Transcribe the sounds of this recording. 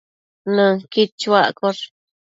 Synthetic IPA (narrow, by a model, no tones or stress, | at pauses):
nɨ̃kit͡ʃwakoɾ